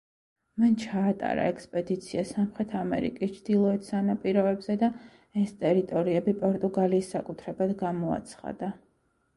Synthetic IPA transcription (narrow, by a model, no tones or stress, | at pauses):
mant͡ʃʰaːt̪ʼa̰ɾa̰ɛkspʼɛd̪it̪sʰiasamχɾɛt̪ʰamɛ̰ɾḭkʼist͡ʃʰd̪̥ilˠɔɛt̪ʰsanapʼiɾɔɛbzɛd̪a | ɛst̪ʼɛɾit̪ʼɔɾiɛbipʼɔɾt̪ʼuɡaliːsːakʼut̪ʰɾɛbad̪ɡamɔa̰t̪sʰχa̰d̪̥a